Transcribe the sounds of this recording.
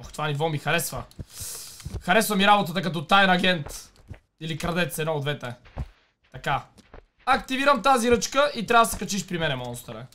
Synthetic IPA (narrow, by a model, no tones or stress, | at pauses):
ɔxt̪ovanivɔmixɐɾɛsvɐ | xɐɾɛsvɐmiɾabot̪ət̪əkɐt̪ɔt̪ajɛnɐɡɛnt̪ | ilikɾɐd̪ɛt̪sɛd̪nɔod̪vɛt̪ɛ | t̪ɐka | ɐkt̪iviɾɐmt̪aziɾɤt͡ʃkəʔit̪ɾʲavəd̪sɛkɐt͡ʃiʃpɾimɛnɛmɔnst̪ɾɛ̰